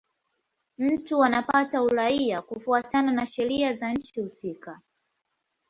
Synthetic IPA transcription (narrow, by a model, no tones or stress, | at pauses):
m̩tuanapatauɾaiakufuatananaʃɛɾiazaɲ̩t͡ʃihusika